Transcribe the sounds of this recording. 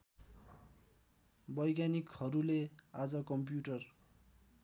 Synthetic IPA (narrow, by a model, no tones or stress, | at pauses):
bʌjɡanikhʌɾulead͡zʌkʌmpjuʈʌr